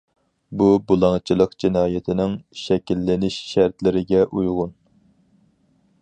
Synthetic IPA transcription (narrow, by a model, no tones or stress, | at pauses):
bubulˠɑŋt͡ʃʰɨlˠəqd͡ʒɪnɑːjɪt̪ʰɪnɪŋʃɛkʲilːɪnɪʃʃæɾt̪lɪɾɪɡʲɛʔujʁʊn